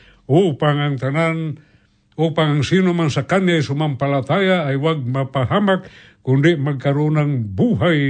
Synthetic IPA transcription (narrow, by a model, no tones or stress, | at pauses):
upaŋaŋt̪anan | upaŋaŋsinomansakanajsumampalat̪ajaːjwaɡ̚mapaɦamak̚ː | undiʔmaɡaɾunaŋbuɦaj